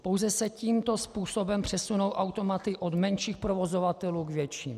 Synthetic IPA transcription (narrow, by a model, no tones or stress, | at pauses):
powzɛsɛciːmt̪ospuːso̞bɛmpr̝̥ɛsuno̞wʔawt̪o̞mat̪ɪʔod̪mɛnʃiːxpɾovo̞zo̞vat̪ɛluːɡvjɛt͡ʃḭːm